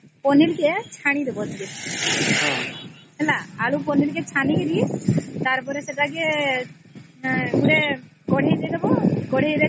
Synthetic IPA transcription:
pɔnilket͡ʃʰaɽ̃id̪ebɔt̪iɡe | ɛlaalupɔnilket͡ʃʰanikeɾit̪aɾpɔɾeseʈake | uɽe | ɡɔɽ̤ʱejd̪ejd̪ebɔɡɔɽ̤ʱejd̪e

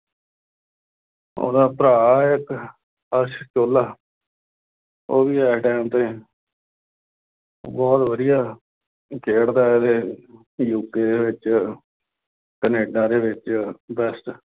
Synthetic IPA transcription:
o̰ːd̪aːpɾaːɪk | əʃt͡ʃoːlaː | oːʋiːɛːkʈɛːnt̪ẽː | bɔːt̪ʋəd̪ɪjaː | kʰeːɽd̪aːed̪eː | juːkeːd̪eːʋɪt͡ʃ | kəneːɖãːd̪eːʋɪt͡ʃbɛsʈ

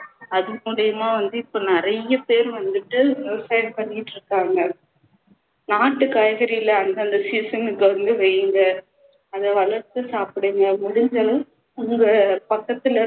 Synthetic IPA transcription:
ɐðɯmʊɽɪjɐmaːʋɐnd̪ɯɪpːoːnɪɾɐjɐpeːɾʋɐnd̪ɯʈːɯɾɪsɐɪɖpɐɳːɪɪʈːɾɯkːaːŋɡɐ | naːʈːɯkaːjɐɣɐɾɪjɪlɐɐnɡ̪ɐɐnd̪ɐsiːsɐnɯkːɐʋɐnd̪ɯʋɛjɯŋɡɐ | ɐðɐʋɐɭɐɾt̪ːɯsaːpɪɽɯŋɡɐmʊɽɪɲd͡ʒɐl | ʊŋɡɐpɐkːɐt̪ːɪlɐ

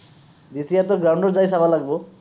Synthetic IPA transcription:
d̪isijaɾt̪ɔɡɾawɳɖɔɾd͡zajsabʱalaɡbo

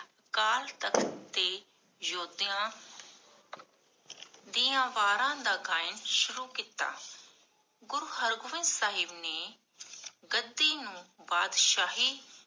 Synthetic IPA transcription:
kaːlt̪əkʰt̪eː | joːd̪jãː | d̪iːãːʋaːɾãːd̪aːɡaːɪnʃʊɾuːkiːt̪a̰ː | ɡʊɾuːɦəɾɡʊʋɪ̃nd̪saːɦɪbneː | ɡəd̪ːiːnũːbaːd̪ʃaːɦiː

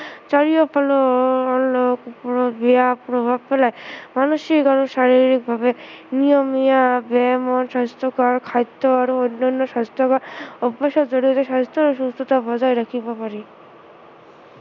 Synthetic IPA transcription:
t͡ʃaɾijopʰaloɔokpbeapɾobʱab̚pelaemanoʃikaɾuʃaɾiɾik̚bʱabenijomiabɛmɔnʃast̪ɔkaɾkʰajt̪ːoaɾoonːanːɔʃat̪ɔkaɾobeʃɔd͡ʑoɽiɔt̪eʃat̪oɾʃust̪ut̪abɔd͡ʑaeɾakʰibapaɾi

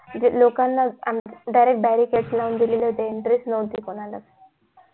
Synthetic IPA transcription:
d͡ʑlokanːamɖajɾek̚ʈ̚bæɾikeʈslaund̪ililet̪eiɳʈɾesnəut̪ikoɽ̃alak

